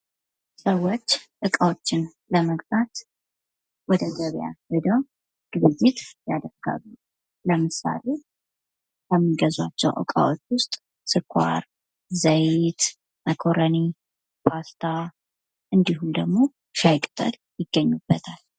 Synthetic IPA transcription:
səwo̞t͡ʃːʔɨkʼawot͡ʃːɪn | ləməɡbat̪ | wɔd̪əɡəβja̰hɨd̪əw | ɡ̥ɨβɨjːɪt̪jad̪əɡ̥a̰βu | ləmɨsa̰le | kəmːiɡəzwat͡ʃːɛwʔə̰kʼa̰wot͡ʃːwʊst̪ʼ | sɨkʰʷa̰ɾ | zəjt̪ | məkʰoɾəni | past̪ʰa | ʔɨnd̪iɦumd̪əɡmo̞ | ʃajkʼt̪ʼːə̰l | jɪɡːəɲːubːət̪ʰal

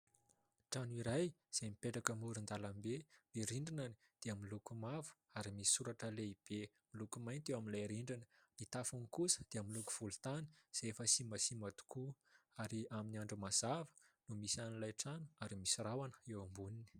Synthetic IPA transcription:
ʈ͡ʂanuiɾajz̥emipeʈ͡ʂakəmuɾund̪alambemiɾiɳɖ͡ʐinani̥ | d̪̥eamilukumavu̥ | aɾimisi̥sːuɾaʈ͡ʂəleib̥e | milukumajnt̪ewaminlajɾiɳɖ͡ʐinə̥nit̪afunikusə̥d̪̥eamiluku̥v̥ulut̪ani̥z̥efəsimasimat̪u̥ku | aɾiaminiaɳɖ͡ʐumaz̥avə̥ | numisanilajʈ͡ʂanu̥aɾimisirawanə̥ewambunini̥

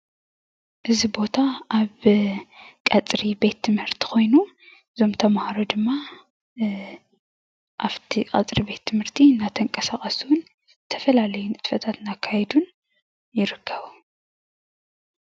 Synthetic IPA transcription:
ʔɨzibo̞t̪ʰaaβ | kʼɐt͡sʼɾibe̞t̪ʰːɨmhɨɾt̪ʰi̥ko̞jnu | ɨzo̞mt̪ʰɐmhaɾod̪ɨmːa | ʔaβt̪ʰikʼɐ̰t͡sʼɾibe̞t̪ʰːɨmhɨɾt̪ʰinat̪ʰɐŋkʼɐsaχʼɐsuwʊn | ɨt̪ʰɐfɐlalɐjunɨt̪fɐt̪ʰat̪nakʰːajd̪un | jɪɾɨkʰːɐβu

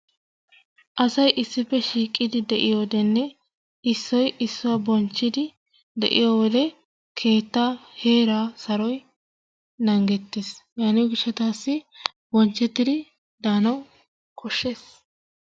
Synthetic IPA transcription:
ʔɐsɐjʔɪsːɪpːɛʃiːkʼːɪd̪ɪd̪ɛʔɪjoːd̪ɛnːɛ | ɪsːɔjɪsːʊwɐbɔnt͡ʃːɪd̪ɪ | d̪ɛ̰ʔɪ̰joːwɔd̪ɛ | kʰe̞ːt̪ːahe̞ːɾaːsɐɾɔj | nɐŋɡɛt̪ːesjaːnɪɡɪʃːɛt̪aːsːɪ | bɔnt͡ʃːɛt̪ːɪd̪ɪ | d̪aːnɐw | kʰɔʃːe̞ːs

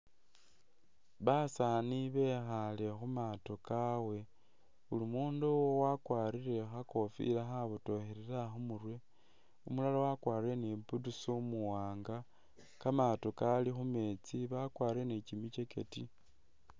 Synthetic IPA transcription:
βasaniβe̞xale̞xumato̞kawe̞ | ulimuːndowowakwaːɾiɾe̞xako̞fḭlaxaβuto̞xeɾeɾaxumurwe̞ | umulalawakwaːɾe̞neputusomuwaːŋɡa | kamatokalixume̞t͡siβakwaːɾe̞net͡ʃimice̞keti

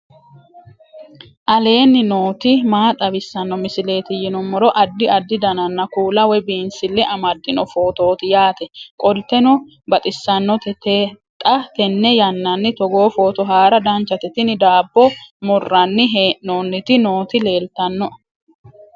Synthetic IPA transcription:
ʔɐle̞ːnːɪnoːt̪ɪmaːt̪ʼɐbɪsːɐnːɔmɪsɪle̞ːt̪ɪjɪnɔmːɔɾɔʔɐd̪ːɪɐd̪ːɪd̪ɐnɐnːɐkuːlɐwɛbiːnsɪlːɛʔɐmɐd̪ːɪnɔfo̞ːt̪o̞ːt̪ɪjaːt̪ɛkʼɔlt̪ːɛnɔ | bɐt̪ʼɪsːɐnːɔt̪ɛt̪ɛ | t̪ʼɐt̪ɛnːɛjɐnːɐnːɪt̪ɔɡo̞ːfo̞ːt̪ɔɦaːɾɐd̪ɐnt͡ʃːɐt̪ɪt̪ɪnɪd̪aːbːɔmɔrːɐnːɪɦeːʔoːnːɪt̪ɪno̞ːt̪ɪle̞ːlt̪ɐnːɔ

